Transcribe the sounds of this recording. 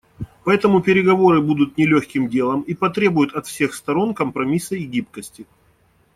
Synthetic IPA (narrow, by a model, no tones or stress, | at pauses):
pɐɛt̪əmʊpʲɪɾʲɪɡɐvo̞ɾɨbud̪ʊt̪nʲɪlʲɵxʲkʲɪmdʲe̞lˠəmipɐt̪ɾʲe̞bʊjʊt̪ɐt̪fsʲe̞xst̪ɐɾo̞nkəmpɾɐmʲisəɡʲip̚kəsʲtʲɪ